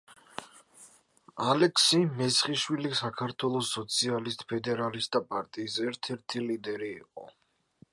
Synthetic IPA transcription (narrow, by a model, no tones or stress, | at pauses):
alɛkʰsimɛsχiʃwilisakʰaɾt̪ʰwɛlˠɔsːɔt̪sʰialist̪ʼpʰɛd̪ɛɾalist̪dapʼaɾt̪ʼiːsɛɾt̪ʰɛɾt̪ʰilid̪ɛɾḭːqʼɔ̰